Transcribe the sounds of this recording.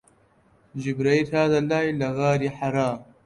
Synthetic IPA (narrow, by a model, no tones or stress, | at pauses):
d͡ʒibɾɐit̪ʰaːd̪ɐlaːilɐɣaːɾiħaɾaːm